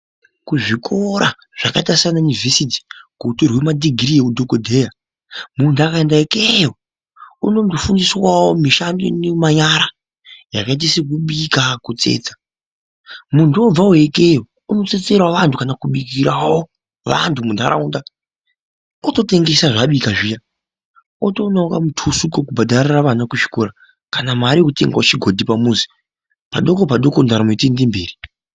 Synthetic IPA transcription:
kuʐikʰo̞ɾa | ʐ̥a̰kaitasijananivʱesiti̥kuutorwemadiɡʱiɾiekudʱokodʱeːja | mundakaendaekejo | uno̞ndofundiswawomiʃandonemaɲaɾa | ja̰kait̬isik̬uɓikakut͡se̞̰ːt͡sḁ | munduob͡vauekejo | uno̞t͡se̞t͡se̞rwaʋantʰukanakuɓik̬iɾawo | ʋa̰ntumundʱa̰ɾa̰unda | oto̞te̞ŋɡe̞saʐaɓikaʐija | oto̞naukamutʰusukokubʱadariraʋanakut͡ʃi̥kura | kanamaɾiekutḛŋɡwot͡ʃiɡʱo̞dʱipamuzi̥ | paɗo̞kopaɗo̞kondaɾamitendimbḛːri

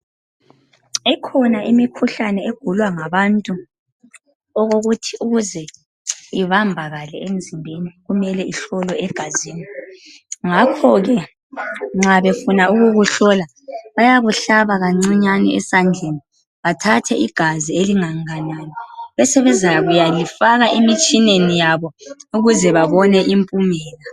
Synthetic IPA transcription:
ɛkʰɔnaʔimikʰuɬanɛeɡ̥ʱulwaŋaβantʼu | ɔɣoɣutʰiuɣuzɛ | iβambʱaɣalɛend͡zʱimbʱeniɣumɛlɛiɬɔlwɔɛɡ̥ʱaziːni | ŋakʰɔɣɛ | ŋ͡ǁaβefunauɣuɣuɬɔla | βajaβuɬaβaɣaŋ͡ǀiɲanḭɛsand͡ɮʱeni | βatʰatʰɛʔiɡ̥ʱazieliŋaŋananɔβɛsɛβɛzʱajaɣujalifaɣaʔimit͡ʃʼinenijaβɔuɣuzɛβaβɔnɛʔimpʼumɛːla

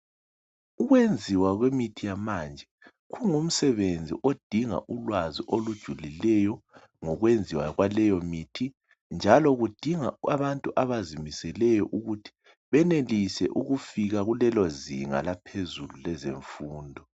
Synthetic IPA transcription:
uɣwend͡zʱiwaɣwemitʰijamand͡ʒʱɛ | ɣuŋum̩sɛβend͡zʱḭʔod̥ʱiŋa̰ʔulwaziʔolud̥ʒ̥ʱulilɛjɔ | ŋɔɣwend͡zʱiwaɣwalɛjɔmiːtʰi | nd͡ʒʱalɔɣud̥ʱiŋa̰aβantʼuʔaβazimisɛlɛjɔ̰ʔuɣutʰi̥ | βɛnelisɛ̰ʔuɣufiɣaɣulɛlɔzḭŋa̰lapʰezululɛzeɱfuːndʱɔ

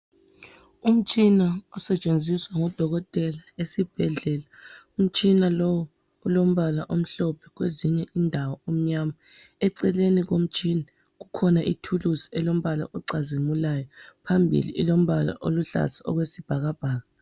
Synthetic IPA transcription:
um̩t͡ʃʼinaɔsɛt͡ʃʼend͡zʱiswaŋɔd̥ʱɔɣɔtʼɛlaesib̥ʱɛɮɛlaum̩t͡ʃʼinalɔwɔ | ulom̩βalaʔom̩ɬɔpʰɛ̥ɣweziɲɛʔiːndʱawɔom̩ɲama | ɛǀɛleniɣom̩t͡ʃʼiːna | ɣukʰɔnaʔitʰulusi̥ɛlom̩βala̰ʔɔǀazimulajɔpʰambʱḭlḭʔːlom̩βala̰ʔoluɬa̰saɔ̰ɣwesib̥ʱaɣab̥ʱaːɣa

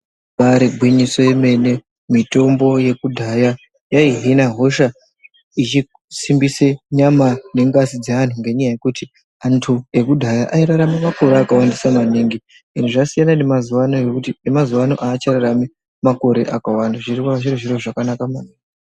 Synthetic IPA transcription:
paɾiɡʱwiɲiso̞jeme̞ne̞ | mito̞mbo̞je̞kudʱaja | jaiɦinaɦo̞ʃa | it͡ʃi | simbiseɲamane̞ŋɡasid͡zean̤uŋɡe̞ɲajaje̞kuti | antʰue̞kudʱajaʔaiɾaɾamimako̞ɾeakawandisamaneŋɡi | inuʐasijanane̞maziwano̞jekutinemazuwano̞̰ʔaːt͡ʃaraɾami | mako̞ɾe̞ʔakawandaʐirikwaaʐiɾiʐiroʐakanakamaneːŋɡi

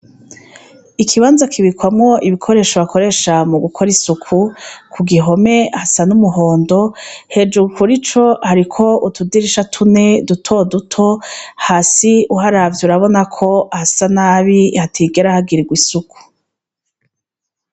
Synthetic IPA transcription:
ikʰiβaːnzakʰiβikwamŋo̞ʔiβikʰo̞ɾe̞ːʃoβakʰo̞ɾe̞ʃamuɡukʰo̞ɾisukʰukʰuɡiɦo̞me̞hasanumuɦo̞ːndo̞he̞d͡ʒuukuɾit͡ʃo̞haɾikʰo̞utudiɾiʃatʰune̞dutʰo̞dutʰo̞haːsiuɦaɾavjuɾaβo̞nakʰo̞hasanaːβihatʰiɡe̞ɾahaɡiɾiɡwisuku̥

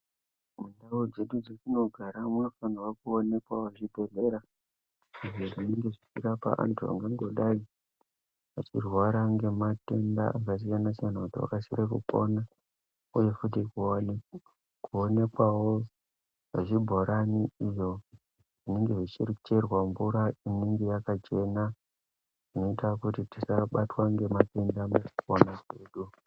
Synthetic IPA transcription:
mundawod͡ze̞ɗud͡zokino̞ɡʱaɾamuno̞fanawokuone̞kwawaʐibʱo̞re̞ɾa | iʐoʐineŋɡe̞ʐit͡ʃirapa̰ʔa̰ntʰua̰ŋɡaŋɡo̞ɗai | ʋat͡ʃirwaɾaŋɡe̞mate̞nda̰akat͡ʃ̬ikanasijanakutiwa̰kasiɾekṵpona | uje̞fut̬ikuone | kuone̞kwawo̞ | ʐeʐibʱo̞ɾaniijo̞ | ʐineŋɡe̞ʐit͡ʃirt͡ʃe̞rwambuɾainiŋɡejakat͡ʃe̞na | ʐ̥ino̞itakutitisaɓatwaŋɡe̞mate̞ndamukukonaʐeːɗu

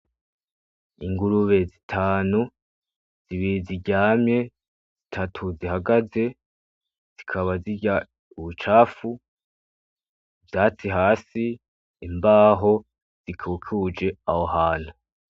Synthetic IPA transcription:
iŋɡuɾuβe̞zitʰaːnu | z̥iβiiziɟaːmɲe̞ | z̥itʰatʰuzihaɡaze̞ | z̥ikʰaβaziɟa | uβut͡ʃaːfu | vjaːt͡siɦaːsiː | mbaːɦo̞ | z̥ikʰukʰud͡ʒe̞ahoɦaːn̥hu

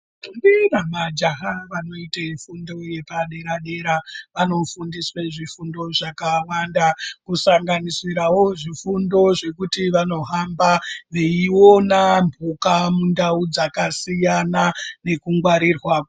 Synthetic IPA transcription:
ndinamad͡ʒaɦaʋano̞itaifundo̞je̞paɗe̞ɾaɗe̞ɾaʋano̞fundisweʐifundo̞ʐakawandakusaŋɡanisiɾawo̞ʐifundo̞ʐe̞kutiʋano̞ɦambaʋe̞iwo̞nambʱukamundaud͡zakasijanane̞kuŋɡwaɾirwaːko

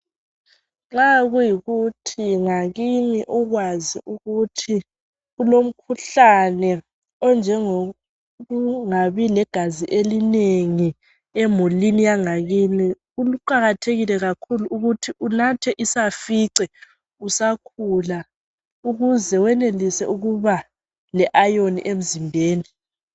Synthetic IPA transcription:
ŋ͡ǁaɣujiɣutʰiŋaɣiniʔɔɣwaziʔuɣutʰi | ɣulom̩kʰuɬanɛ | ɔnd͡ʒʱɛŋo | ɣuŋaβilɛɡ̥ʱaziʔelineŋi | ɛmulinijaŋaɣini | uluǃaɣatʰeɣilɛɣakʰuluuɣutʰiʔunatʰɛʔisafiǀɛ | usakʰula | uɣuzɛwɛnelisɛuɣuβa | lɛʔajonḭʔem̩zimbʱeːni

